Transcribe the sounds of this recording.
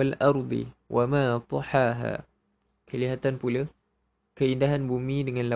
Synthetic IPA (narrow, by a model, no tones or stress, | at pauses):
alʔɑɾˤd̪ˤɨ̰wʔamat̪ˤɑħaːɦa̰ː | kʰalɪhat̪aːnpula | kaʔɪnd̪aɦanbumːid̪ɪŋanla